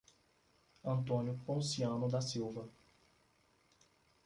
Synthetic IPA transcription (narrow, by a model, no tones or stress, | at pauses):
ɐ̃nt̪õnjʊpõsiɐ̃nʊd̪ɐsiwvɐ